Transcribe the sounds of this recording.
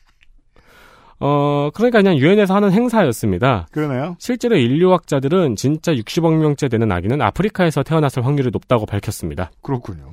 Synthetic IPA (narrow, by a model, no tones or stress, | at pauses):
ʌkɯɾʌɲik͈akɯɲaŋjuɦe̞ne̞sʰʌhanɯnɦe̞ŋsʰajʌs͈ɯmɲidakɯɾʌnejoɕʰiɭt͡ɕ͈e̞ɾoiʎːuwak̚t͡ɕ͈adɯɾɯnt͡ɕint͡ɕ͈ajuk̚ɕ͈ibʌŋmjʌŋt͡ɕ͈e̞dwe̞nɯna̰ɡinɯna̰pʰɯɾikʰae̞sʰʌtʰe̞ʌnasʰɯɭɸwaŋɲiɾɯɭnop̚t͈aɡopaɭkʰjʌs͈ɯmɲidakɯɾʌkʰuɲo